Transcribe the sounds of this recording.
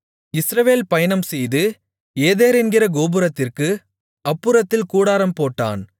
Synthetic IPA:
ɪsɾɐʋeːlpɐjɐnɐmsɛjðɯ | eːðeːɾɛnɡɪɾɐɡoːbɯɾɐt̪ːɪrkɯ | ɐpːɯɾɐt̪ːɪlkuːɽaːɾɐmpoːʈːa̰ːn

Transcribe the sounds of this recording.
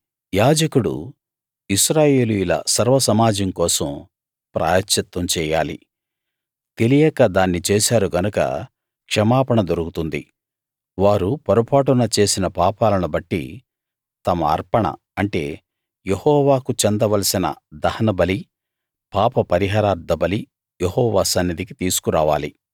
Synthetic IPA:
jaːd͡ʒɐkuɽṵ | iʃɾaːje̞ːlujulɐ̰sɐɾʋɐsɐmaːd͡ʒɐmkɔːsɐm | pɾʔa̰ːjɐt͡ʃːɐt̪wɐmt͡ʃɛːja̰ːlḭ | t̪e̞lijɛkɐd̪aːnːit͡ʃeːsaːɾuɡɐnukɐ̰ | kʂɐmaːpɐɳɐd̪oɾukut̪und̪ḭ | ʋaːɾupɐɾupʰaːʈ̬unɐt͡ʃe̞ːsinɐpaːpaːlɐnubɐʈːḭ | t̪ɐmɐ̰ːɾpɐɳɐ̰ | ɐɳʈe̞̰ː | jehɔːʋaːkut͡ʃend̪ɐʋɐlɐsinɐ̰d̪ɐhɐnɐbɐli | paːpɐpɐɾiɦaːɾaːɾd̪ːɐbɐli | jehɔːʋaːsɐnːɐd̪ikit̪iːsu̥kuɾaːʋaːli

